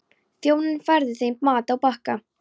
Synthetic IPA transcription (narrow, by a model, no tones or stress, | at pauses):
θjoːwnɪnfaɾðɪθejmmaːt̪awpahka